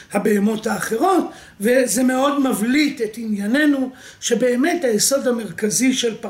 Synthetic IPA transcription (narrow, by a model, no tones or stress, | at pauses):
habeemo̞thaːχe̞ʁo̞t | vezeme̞o̞dmavlitetinjane̞nu | ʃe̞be̞ːme̞thajeso̞dhame̞ʁkaziʃelp